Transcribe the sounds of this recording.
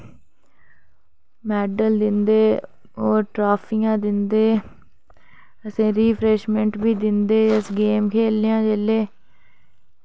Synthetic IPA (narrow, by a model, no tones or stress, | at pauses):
mɛːɖəld̪ɪnd̪eː | oːɾʈɾaːpʰiːjãːd̪ɪnd̪eː | əsẽːɾiːpʰɾeːʃmɛ̃ɳʈbiːd̪ɪnd̪eːd͡ʒəsɡeːmkʰeːlɪjãːd͡ʒeːleː